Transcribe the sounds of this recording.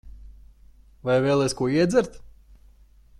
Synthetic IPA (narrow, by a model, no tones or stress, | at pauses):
vajvɛːlˠɛskuɔiɛd̪zʲɛɾt̪